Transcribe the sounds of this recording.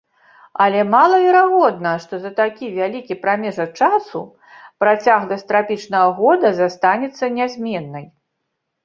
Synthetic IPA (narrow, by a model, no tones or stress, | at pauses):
ɐlʲɛmalˠɐvʲɛɾaɣɔd̪̚nɐʂt̪ɔzɐt̪akʲivʲalʲikʲipɾamʲɛʐɐt͡ʂasṵ | pɾat͡sʲaɣd̪ɐsʲt̪ɾapʲit͡ʂnɐɣɐɣɔd̪ɐzast̪anʲɛt̪sːɐnʲazʲmʲɛnːɐj